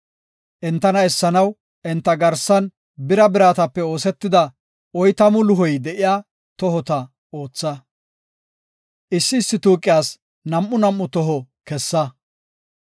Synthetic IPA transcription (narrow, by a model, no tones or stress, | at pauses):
ʔɛnt̪ːɐnɐɛsːɐnɐw | ʔɛnt̪ːɐɡɐɾsɐn | bɪɾɐbɪɾaːt̪ɐpːɛo̞ːsɛt̪ːɪd̪ɐ | ɔjt̪ɐmʊlʊɦɔjd̪ɛʔɪjaː | t̪ɔɦɔt̪ɐ | oːt͡sːɐ | ʔɪsːɪːsːɪt̪uːkʼːɪjaːs | nɐmʔːʊnɐmːʊt̪ɔɦɔ | kɛsːɐ